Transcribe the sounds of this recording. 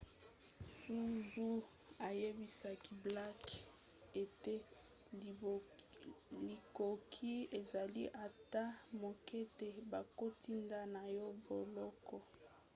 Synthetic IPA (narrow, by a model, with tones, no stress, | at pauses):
su˦zu˦a˨je˦bi˦sa˨ki˨bla˦k | e˨te˦ | li˨ko˨kʰi˦e˨za˨li˦ʔa˨ta˦mo˨ke˦te˨ba˨ko˦ti˦nda˦na˨jɔ˦bo˨lɔ˦kɔ˨